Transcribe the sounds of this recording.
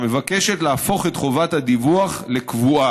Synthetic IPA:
me̞vake̞ʃe̞tlaːfo̞χe̞tχo̞vathad̪ivuaχle̞kvua

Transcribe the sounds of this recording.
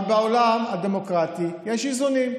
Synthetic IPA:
baolamad̪emokʁat̪ijɛʃizunim

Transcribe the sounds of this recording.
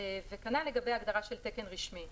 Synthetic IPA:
vekanale̞ɡabejaɡd̪aʁaʃe̞lt̪eke̞nʁiʃmi

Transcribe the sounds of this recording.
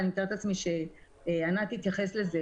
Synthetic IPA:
niit̪aʁt̪at͡smiʃe | anat̪iːt̪jaχesleze

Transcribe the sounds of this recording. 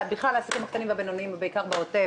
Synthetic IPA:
biχlalasakimhakt̪animveabenoniimbeikaʁbaot̪e

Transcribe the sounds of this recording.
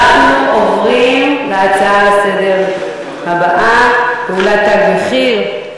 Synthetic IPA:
χnuʔovʁimbeat͡saasedeʁ | habaʔabeulat̪aɡiχiʁ

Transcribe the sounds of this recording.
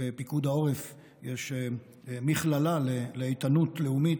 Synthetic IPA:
epikud̪ao̞ʁef | jeʃ | miχlalaleleejt̪anut̪leumit

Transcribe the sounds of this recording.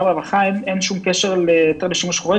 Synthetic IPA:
bavaχaimenʃumkeʃeʁlejet̪eʁleʃumʃχuʁe

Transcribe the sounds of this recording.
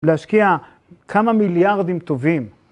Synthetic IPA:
leaʃkia | kʰamamiljaʁd̪imt̪ovim

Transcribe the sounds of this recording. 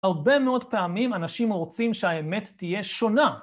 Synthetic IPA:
haʁbe̞meo̞dpeamimanaʃimʁot͡simʃeaeme̞tːije̞ʃo̞na

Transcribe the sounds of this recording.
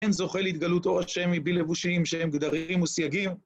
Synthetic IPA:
enzo̞χelit̪̚ɡalut̪o̞ʁaʃemibile̞vuʃiimʃehemɡd̪aʁimusjaɡim

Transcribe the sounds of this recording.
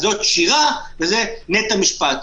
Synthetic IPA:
zo̞t̪ʃiʁavezenet̪amiʃpat̪

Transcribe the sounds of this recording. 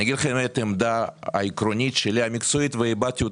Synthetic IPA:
aɡid̪lɐχemet̪emd̪aɐ̰ikɾonʲit̪ʃelʲiamʲikt̪soit̪veibat̪ʲio

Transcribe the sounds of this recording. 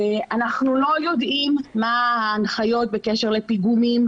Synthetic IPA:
eanaχnulo̞jo̞d̪ʔimːaaːnχajo̞t̪̚be̞keʃeʁle̞piɡumim

